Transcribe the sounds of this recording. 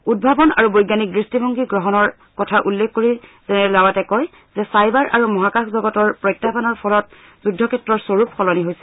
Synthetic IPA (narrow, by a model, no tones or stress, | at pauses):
ud̚bʱabɔna̰ɹubojɡanik̚dɹistibʱoŋɡiɡɹɔɦɔnɔɹ | kɔtʰaʔulːekːoɹiz̥ɛnɛɹɛlawatɛkɔj | zɛsajbaɹʔa̰ɹumɔɦakaxʰzɔɡɔtɔɹpɹɔjtːabanɔɹpʰɔlɔt̚ | zudʱːɔkʰɛtːɹɔɹsoɹupxɔlɔniɦojsɛ̥